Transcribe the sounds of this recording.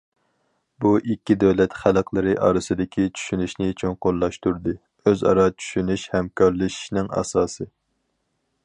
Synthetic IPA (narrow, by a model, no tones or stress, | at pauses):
buʔikʲːid̪ɛwlɛt̪χælˠqlˠɨɾɨʔɑ̰ːɾɨsɨd̪ɪkʲʰit͡ʃʰy̥ʃynyʃnɪːt͡ʃʰynqolˠːɑʃt̪uɾd̪ɨ | øzɑ̰ɾɑt͡ʃʰy̥ʃynyʃhɛmkʰɑɾlˠɨʃi̥ʃnɪŋɑ̰ːsɑːsɨ